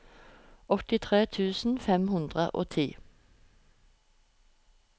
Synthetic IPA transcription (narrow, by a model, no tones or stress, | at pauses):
ɔt̪ɪt̪ʰʁeːt̪ʰʉːsn̩fɛmhʉnd̪ʁə̰ʔo̰ːt̪ʰiː